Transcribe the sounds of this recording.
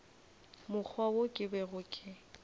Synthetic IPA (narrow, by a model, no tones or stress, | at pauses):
mʊk͡xʰwawokʼɪbɛɣʊkʼɪ